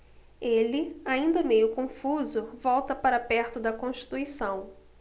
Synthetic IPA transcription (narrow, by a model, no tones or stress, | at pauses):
elɪaĩnd̪ɐmejʊkõfuzʊvɔwt̪ɐpaɾɐapɛɾt̪ʊd̪ɐkõʃt͡ʃi̥t̪uisɐ̃w̃